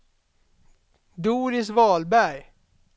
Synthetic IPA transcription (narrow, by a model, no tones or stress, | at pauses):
d̪uːɾɪsvɑːlbæɾj